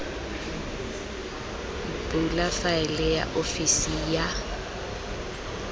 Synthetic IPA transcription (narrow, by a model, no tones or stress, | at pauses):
bulafaɛlɛja̰ʔofisija